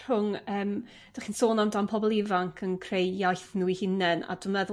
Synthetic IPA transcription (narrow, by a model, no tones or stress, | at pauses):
hʊŋəːm | dd̥aχinsoːnamdampʰɔbɔlˠɪvaŋkʰənkʰrejjajθnuihɪnɛna̰dəmɛðʊ